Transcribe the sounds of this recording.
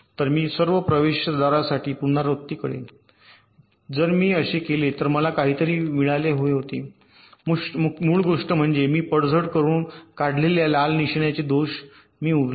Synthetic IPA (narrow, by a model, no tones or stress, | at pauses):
t̪əɾmiːsəɾʋəpɾəʋeɕəd̪aɾasaʈiːpunaɾot̪ːiːkəɽḛ | d͡zəɾmiːəɕekelet̪əɾməlakaɦiːt̪əɾiːmiɭaleɦoeɦot̪e | muːɭɡoʂʈəm̤əɳd͡zemiːpəɽd͡zʱəɽkəɾuːnkaɽ̤leljalalniɕɳjat͡ɕed̪oɕ | miːuɽ